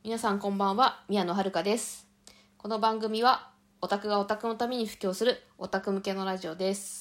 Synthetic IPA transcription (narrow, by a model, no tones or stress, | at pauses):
mʲinasãŋkõ̞mbãɰ̃βamʲiano̞ɦaɾɯ̟kad̪e̞sɨ̥ | ko̞no̞bãŋɡɯ̟mʲiβa | o̞t̪akɯ̟ɡao̞t̪akɯ̟no̞t̪amʲe̞ɲ̟iɸɯ̟̥kʲːo̞ːsɨɾɯ̟o̞t̪akɯ̟mɯ̟ke̞no̞ɾaʑio̞d̪e̞sɨ̥